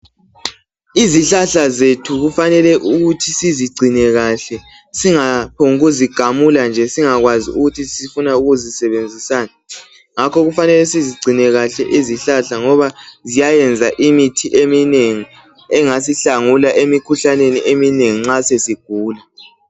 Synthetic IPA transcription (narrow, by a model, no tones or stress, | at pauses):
iziɬaɬazetʰuɣufanɛlɛʔuɣutʰisiziɡ͡ǀʱinɛɣaɬɛ | siŋapʰoŋɣuziɡ̥ʱamuland͡ʒʱɛsiŋaɣwaziuɣutʰisifunauɣuzisɛβend͡zʱisaːna | ŋakɔɣufanɛlɛsiziɡ͡ǀʱinɛɣaɬɛʔiziɬaɬaŋɔβazijajɛnd͡zʱaʔimitʰiʔemineŋi | ɛŋasiɬaŋulaʔemikʰuɬaneniʔemineŋiŋ͡ǁasesiɡ̥ʱuːla